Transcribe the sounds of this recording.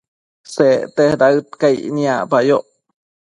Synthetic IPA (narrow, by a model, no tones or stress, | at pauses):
set̪ehdaɯt̪̚kajniapajoʔ